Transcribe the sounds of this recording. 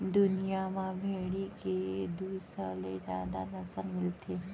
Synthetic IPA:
d̪ʊnijamãbʱeɽiked̪uːsəled͡ʒja̰ːd̪anəsəlmɪlt̪ʰe

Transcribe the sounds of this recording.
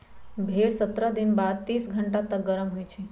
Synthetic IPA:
bʱeɽsət̪ɾəd̪inbad̪̚t̪iːsɡʱəɳʈat̪ək̚ɡəɾəmɦojt͡ʃʰe

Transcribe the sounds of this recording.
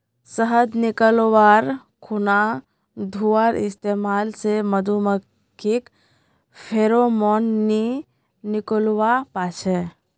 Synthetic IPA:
səɦəd̪nɪkəlʋaːɾ | kʰuna | d̪ʱuaːɾɪst̪eːmaːlseməd̪umə | kʰːik | pʰeːɾomɔːnːi | nɪkolwapaːt͡ʃʰɛ

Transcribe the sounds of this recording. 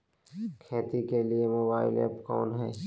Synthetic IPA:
kʰeːt̪ikeliemoːbaːɪlɛ̰ːpkɔ̰ːnɦɛː

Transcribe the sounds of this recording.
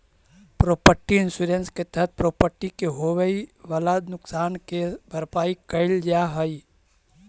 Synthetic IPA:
pɾoːpəɾʈiɪnsuɾensket̪əɦət̪̚pɾopəɾʈikeɦoʋeiʋəlaːd̪nʊksaːnkebʱəɾpaːikəɪld͡ʒaɦəi

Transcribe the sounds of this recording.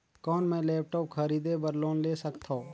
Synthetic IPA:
kɔːnmɛ̃ːlɛːp̚ʈɔːp̚kʰəɾiːd̪ebəɾloːnleːsəkt̪ʰoː

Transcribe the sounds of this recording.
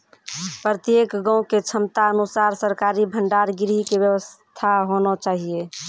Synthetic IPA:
pɾət̪jekɡãũket͡ʃʰəmt̪aənusaɾsəɾkaɾibʱəɳɖaɾɡiɾɦikebjəwəst̪ʰaɦonɔt͡ʃaɦie

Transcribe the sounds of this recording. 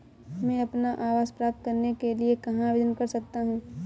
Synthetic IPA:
mɛ̃ɐpnaʔaːʋaːzpɾaːp̚t̪̚kɐɾnekeliekɐɦãʋɪd̪ənkɐɾsɐk̚t̪aɦũː

